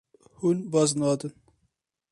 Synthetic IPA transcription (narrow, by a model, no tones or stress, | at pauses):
hunbɑznɑːd̪ɨn